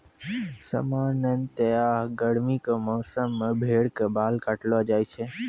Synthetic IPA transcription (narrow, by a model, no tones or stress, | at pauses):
sə̰maːnənt̪əjaɦɡəɽmikamɔːsəmːẽbʱeːɽkebaːlkaʈlʋad͡ʒaːjt͡ʃʰe